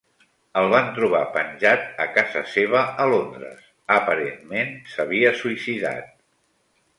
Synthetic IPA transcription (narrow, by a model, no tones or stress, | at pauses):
əlˠβant̪ɾuβ̞apənʲʒat̪əkazəseβ̞əəlond̪ɾə̰s | əpəɾenmensəβiəsuisiða̰t̪̚